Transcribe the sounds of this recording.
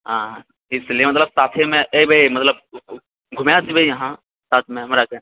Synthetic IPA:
ɦãː | ɪslijemɐt̪̬ləb̚saːt̪ʰemẽʔebʱɐimɐt̪ləb | ɡʱʊmjat̪ʰibʱɐijɦã | saːt̪ʰmẽmɾakẽ

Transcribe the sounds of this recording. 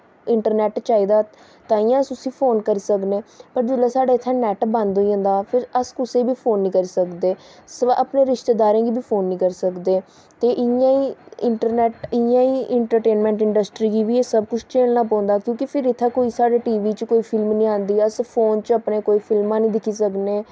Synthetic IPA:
ɪɳʈəɾnɛːʈt͡ʃaːiːd̪aː | t̪ãːijãːəsʊsĩːpʰoːnkəɾiːsəkneːpəɾd͡ʒəlaːsaːɖaːɪt̪ʰːãːnɛːʈbə̃nd̪oiə̃ːnd̪aːpʰɪɾəskʊsẽːbʱiːpʰoːnːĩːkəɾiːsəkd̪eː | sə̰pneːɾɪʃt̪eːd̪aːɾẽːɡiːbʱiːpʰoːnːĩːkəɾsəkd̪eː | t̪eːʔɪjãːiːɪɳʈəɾnɛːʈɪjãːiːɪɳʈəɾʈeːnmɛ̃ːɳʈɪɳɖəsʈɾiːɡiːbiːeːsəbkʊt͡ʃʰt͡ʃeːlnaːp̬ãːnd̪aːkjõːkipʰɪɾɪt̪ʰːãːkoːiːsaːɽeːʈiːʋiːt͡ʃkoːiːpʰɪlmnĩːãːnd̪iːəspʰoːnt͡ʃəpneːkoːiːpʰɪlmãːnĩːd̪ɪkʰiːsəkneː

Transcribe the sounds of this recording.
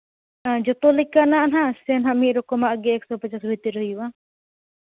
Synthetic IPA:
ad͡ʒɔt̪ɔlɛkːanaʔanɦasɛnɦamiɾɔkɔmaʔɡɛɛk̚sɔpat͡ʃasbit̪iɾəjuwa

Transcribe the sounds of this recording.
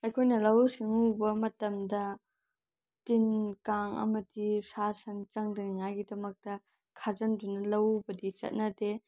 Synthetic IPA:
ɐjkʰojnɐlɐwsiŋubɐmɐtɐmdɐ | tinkaŋɐ̰mɐdisaɾsɐŋt͡ʃɐŋdɐniŋajɡidɐmɐk̚tɐ | kʰazɐndunɐlɐwbɐdit͡ʃɐ̰t̚nɐde

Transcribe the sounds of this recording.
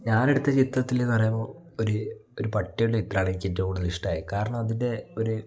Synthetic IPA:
ɲaːne̞ɽut̪ːɐt͡ɕit̪rɐt̪ːilenːɨpɐrɐjɐmoː | oɾuoɾupɐʈːɐjuɭːeit̪raːɳɐikʲːitːɐkuːɽuðɐliʂʈaːjikaːɾɐɳɐmɐðinde̞o̞ɾu

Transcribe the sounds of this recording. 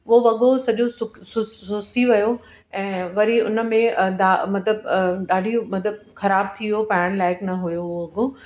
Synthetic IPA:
ɦoʋɐɠosɐʄosʊksʊssʊsiʋɐjo | ɛ̃ːʋɐɾiʊnə̆mẽd̪aːmɐt̪ləb̚ɗaːɖʱimɐt̪ləb̚xɐɾaːb̚t̪ʰiʋijopaɪɽ̃laːɪknɐɦʊjoʋɐɠo

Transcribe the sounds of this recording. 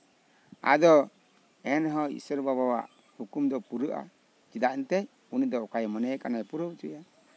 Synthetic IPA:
a̰d̪ɔ | ɛnɦɔḭsəɾbaβawa̰ʔ | hukumd̪ɔpuɾəʔa̰ | t͡ʃid̪aʔnt̪ɛ | unid̪ɔkajmɔnɛjkanajpuɾəwt͡ʃuja

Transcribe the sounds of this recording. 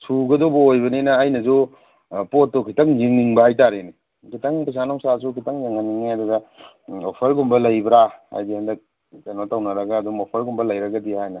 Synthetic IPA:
suɡɐdobɐojbɐninɐːjnɐzu | pot̚ːokʰitɐŋziŋniŋbɐhajtaɾeni | kʰitɐŋpis̬anɔŋsasukʰitɐŋjaŋaniŋajdadɐ | opʰɐɾɡumbɐlɐjbɾaha̰jdihandɐk̚ | kanotawnɐɾɐɡɐːduŋopʰɐɾɡumbɐlɐjɾɐɡɐdihajnɐ

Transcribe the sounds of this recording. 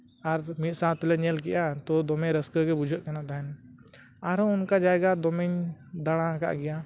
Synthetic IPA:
aɾmit̪sãt̪ɔlɛɲɛlkɛjat̪ɔd̪ɔmɛ̃ɾəskəkɛbud͡ʒʱəʔ̪̚kɛnat̪aɦɛn | aɾɔʊnkad͡ʒajɡad̪ɔmɛɲd̪aɽ̃aka̰ʔɡɛja

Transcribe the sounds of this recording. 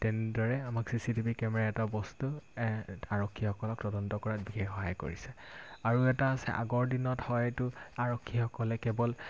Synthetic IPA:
tɛnɛdɔɹɛamaksisitipikɛmɛɹaɛtabɔstu | aɹɔkʰːixɔkɔlɔk̚tɔdɔntɔkɔɹat̚bixɛxxɔɦajko̰ɹisɛaɹuɛtaːsɛ̰ʔa̰ɡɔɹdinɔthɔjɛtʊaɹɔkʰːixɔkɔlɛkɛbɔl

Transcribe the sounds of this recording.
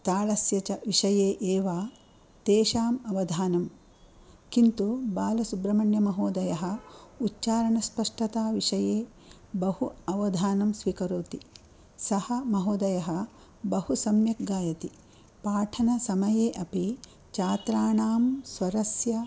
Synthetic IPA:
t̪aːɭɐsjɐt͡ʃɐʋiʂɐjeːʔeːʋaː | t̪eːʃaːmɐʋɐd̪ʱaːnɐm | kint̪ubaːlɐsubɾɐmɐɳjɐmɐɦoːd̪ɐjɐɦɐ̆utːt͡ʃaːɾɐɳɐspɐʂʈɐt̪aːʋiʂɐjeː | bɐhuɐʋɐd̪ʱaːnɐmsʋikɐɾoːt̪i | sɐhɐmɐɦoːd̪ɐjɐɦɐ̆ | bɐhusɐmjɐk̚ɡaːjɐt̪i | paːʈʰɐnɐsɐmɐjeːʔɐpi | t͡ʃaːt̪ɾaːɳaːmsʋɐɾɐsjɐ

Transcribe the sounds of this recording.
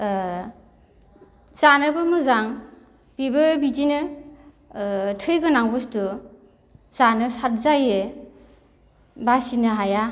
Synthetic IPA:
zanɯbɯmɯzaŋ | bibɯbitinɯ | tʰɯjɡɯnaŋbɯstu | zanɯsaɾzaje | basinɯɦaja

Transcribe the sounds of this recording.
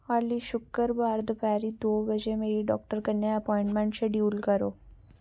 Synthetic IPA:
aːliʃʊkːəɾbaːɾd̪əpɛːɾid̪oːbəd͡ʒemeːɾiɖɔːk̚ʈəɾkɐnjaɐpɔ̃ːɪ̃ɳʈmɛ̃ɳʈseɖjuːlkɐɾoː

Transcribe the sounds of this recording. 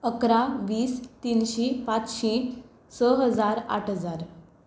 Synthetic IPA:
əkɾaʋiːst̪inɕipat͡sɕi | səɦəd͡zaɾa̰ʈʰəd͡zaɾ

